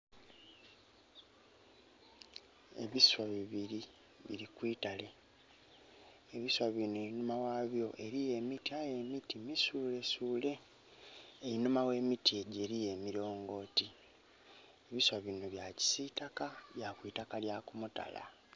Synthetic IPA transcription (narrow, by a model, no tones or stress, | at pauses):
e̞̰βiswaβiβiɾi | βḭɾikwiːtale̞ | βiswaβinoeinumawaːβjo̞ʔe̞ɾije̞mitiaje̞mitimisuːle̞suːle̞ː | ɾinumawe̞ːmitie̞ɟe̞ɾije̞miɾo̞ːŋɡo̞ːti | e̞βiswaβinoβjaci̥sitakaβjakwiːtakaljakumuta̰la̰